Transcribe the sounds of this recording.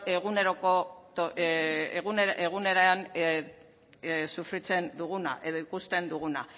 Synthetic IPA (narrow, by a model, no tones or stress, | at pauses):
e̞ɣune̞ɾoko̞t̪o | ɣuneɣune̞ɾean | sufɾit͡se̞nd̪uɣuna̰ʔe̞ð̞o̞ikust̪e̞nd̪uɣuna